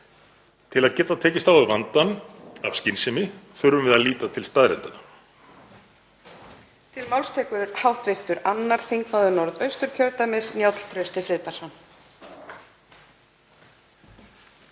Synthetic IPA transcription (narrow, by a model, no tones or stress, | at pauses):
t̪ʰɪlaðcɛːt̪aðt̪ʰɛːcɪst̪awaðvant̪ana̰vscɪnsɪmɪθʏɾvʏmvɪðaðliːt̪at̪ʰɪlst̪aːðɾɛ̰nt̪ana | t̪ʰɪlmawlst̪ʰɛːkʏɾʏɾ̥hawht̪vɪr̥t̪ʏɾanːaɾ̥θiŋkmaðʏnɔɾðœɥst̪ʏɾ̥cʰœɾt̪amɪsnjawt̪l̥t̪ʰɾœɥst̪ɪfɾɪðpaɾsɔn